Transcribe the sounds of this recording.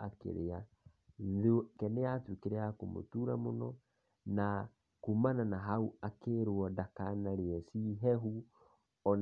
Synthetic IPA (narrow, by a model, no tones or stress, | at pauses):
akḛɾea | ðekɛneatwikeɾeakomo̰tuɾamonɔ | na | kumananaɦauakeːɾwɔdakanaɾeɛsiɦɛɦu | ɔn